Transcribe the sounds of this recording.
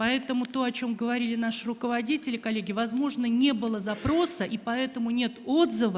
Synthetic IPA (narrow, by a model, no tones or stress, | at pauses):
pɐɛt̪əmʊt̪o̞ɐt͡ɕo̞mɡəvɐɾʲilʲɪnaʂɨɾʊkəvɐdʲitʲɪlʲɪkɐlʲːeɡʲɪvɐzmo̞ʐnənʲe̞bɨlˠəzɐpɾo̞səʔipɐɛt̪əmʊnʲe̞t̪o̞d̪zɨvə